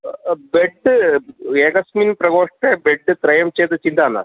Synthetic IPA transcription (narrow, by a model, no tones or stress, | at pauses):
beɖ | eːkɐsmiːnpɾɐɡoːʂʈebeɖɨt̪ɾɐjɐmt͡ɕeːt̪ɐt͡ɕind̪aːna̰